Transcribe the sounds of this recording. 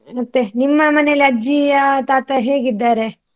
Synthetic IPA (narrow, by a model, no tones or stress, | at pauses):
ɐt̪ːe̞nimːɐmɐneliɐd͡ʒiɐt̪aːt̪ɐɦe̞ːɡid̪ːaːɾe